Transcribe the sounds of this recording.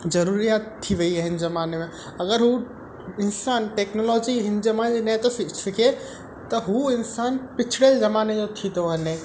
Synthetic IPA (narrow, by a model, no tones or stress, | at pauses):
zɐɾuːɾijaːt̪ʰːiʋɐiɐɦɪnzɐmaːnemẽ | ɐɡəɾɦu | ɪnsaːnʈeːknolɔːd͡ʑiɦɪnzɐmaːnd͡ʑenɛt̪ofɪfɪkʰe | t̪ɐɦuɪnsaːnpɪt͡ʃʰɪɽezɐmaːned͡ʑot̪ʰit̪oɦɐnẽ